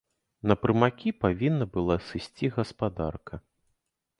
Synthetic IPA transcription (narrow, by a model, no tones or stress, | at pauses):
nɐpɾɨmakʲipavʲinːɐbɨlˠasɨsʲt͡sʲiɣɐspad̪a̰rkɐ